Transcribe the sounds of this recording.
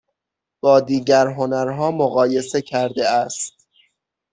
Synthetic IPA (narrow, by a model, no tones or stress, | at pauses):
b̥ɒːd̪iːɟæɾɦo̞næɾɦɒːmoɣɒːje̞se̞cʰæɾd̪eæst̪̚